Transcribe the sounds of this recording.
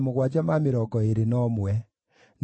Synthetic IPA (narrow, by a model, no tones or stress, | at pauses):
moɣwad͡ʒamameɾɔɡɔeɾenɔmwɛ | n